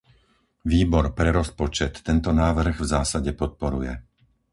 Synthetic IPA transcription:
ʋiːbɔɾpɾɛɾɔspɔt͡ʃɛt̪ːɛnt̪ɔnaːʋr̩ɣvzaːsaɟɛpɔt̪̚pɔɾujɛ

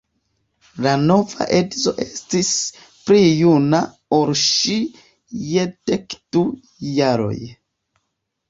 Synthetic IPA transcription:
lano̞va̰ʔe̞dzo̞ʔestis | pɾijuna | oɾʃi | jedekd̥u | jaɾo̞̰j

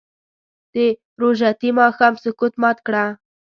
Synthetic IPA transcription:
d̪̥ə | ɾoʒat̪imɑxɑmsʊkut̪mɑt̪kɽa

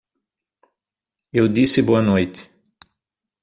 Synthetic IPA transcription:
ewd̪isɪboɐnojt̪ɪ̥

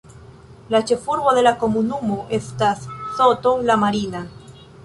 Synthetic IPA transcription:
lat͡ʃefuɾɣoðelakomunumoʔest̪assot̪olamaɾina

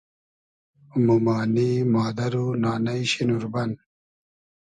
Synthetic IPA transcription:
mumaːniːmaːd̪ɐɾunaːnɐiɕinuɾbɐn

